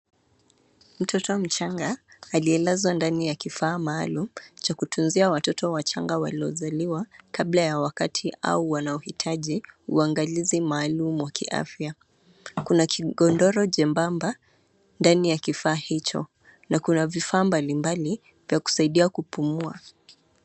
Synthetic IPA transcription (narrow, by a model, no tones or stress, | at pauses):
m̩tʰɔtɔm̩t͡ʃaŋɡaːliɛlazwandanijakifaːma̰ːlum̩t͡ʃakutunziawatɔtɔwat͡ʃaŋɡawa̰liɔ̰zaliwakablajawakatʰiʔa̰uwanaɔhitʰaʄiṵaŋɡalizimaːlumuwakḭʔa̰fja | kunakʰiɠɔndɔɾɔʄɛmbamba | ndanijakifaːhit͡ʃɔ̰ | nakunavifaːmbalimbali | vjaku̥saiɗiakupumua̰